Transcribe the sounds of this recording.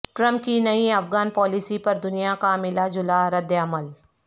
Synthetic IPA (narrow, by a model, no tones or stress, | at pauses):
ʈɾɐ̃mp̚kinɐiɐfɡaːnpɔːlisipɐɾd̪ʊnijakamɪlad͡ʒʊlaɾɐd̪jəɐməl